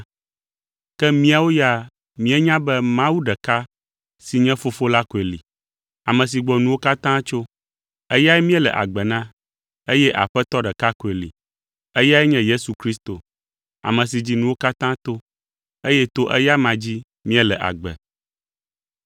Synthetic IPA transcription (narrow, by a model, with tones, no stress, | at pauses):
kɛ˦mĩ˦a˨wo˦ja˦ | mĩ˦ɛ˦ɲã˦bɛ˦mã˦wu˦ɖɛ˨ka˦ | si˨ɲɛ̃˦fo˦fo˦la˦ko˨e˨lḭ˨ | a˨mɛ̃˨s̬i˨ɡ͡bɔ˨nũ˨wo˦ka˦t̪ã˦t͡ʃo˦ | ɛ˦ja˦ɛ˦mĩ˦ɛ˦lɛ̰˨ʔa̰˨ɡ͡bɛ˨nã˦ | e˦jɛ˦ʔa̰˨ɸɛ˦t̪ɔ˦ɖɛ˨ka˦ko˨e˨lḭ˨ | ɛ˦ja˦ɛ˦ɲɛ̃˦je˦su˨kɾi˦st̪o˨ | a̰˨mɛ̃˨s̬i˨d͡ʑi˦nũ˦wo˦ka˦t̪ã˦t̪o˦ | e˦jɛ˦t̪o˦ʔɛ̰˦ja˦mã˨d͡ʑi˦ | mĩ˦ɛ˦lɛ˨ʔa̰˨ɡ͡bɛ̰˨